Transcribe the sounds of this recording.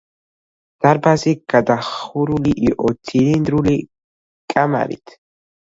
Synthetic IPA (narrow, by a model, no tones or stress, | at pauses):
d̪̥aɾbaziɡad̪aχuɾuliʔiʔɔt̪ʰilind̪ɾuli | kʼama̰ɾḭt̪ʰ